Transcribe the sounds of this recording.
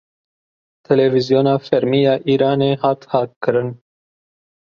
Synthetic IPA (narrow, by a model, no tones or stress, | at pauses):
t̪ʰɛlɛvizjoːnɑːfɛɾmiːjɑːʔiːɾɑːneːhɑːt̪hɑːt̪̚kʰɨɾɨn